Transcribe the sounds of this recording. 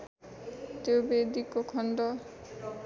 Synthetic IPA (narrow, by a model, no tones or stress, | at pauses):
t̪ebed̪ikokʰɔɳɖɔ